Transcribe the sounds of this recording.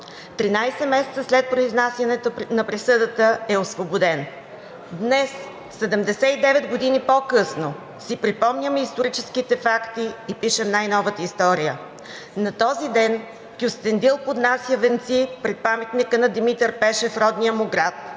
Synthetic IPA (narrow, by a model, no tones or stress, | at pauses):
t̪ɾinajsɛmɛsɛ̥t̪səslɛt̪̚pɾoiznasʲjɐnɛt̪nɐpɾisɤd̪ət̪əɛosvobod̪ɛn | d̪nɛs | sɛd̪ɛmd̪ɛsɛid̪ɛvɛd̪ɡod̪inipokɤsno | sipɾipɔmnʲəmist̪oɾit͡ʃɛskit̪ɛfakt̪iːpiʃɛmnajnɔvət̪əist̪ɔɾijə | nɐt̪ɔzid̪ɛn | kʲʊst̪ɛnd̪ilˠpod̪nasjəvɛnt̪sipɾɛt̪̚pamɛt̪nikənɐd̪imit̪ɛɾpɛʃɛfɾɔd̪nijəmʊɡɾat̪̚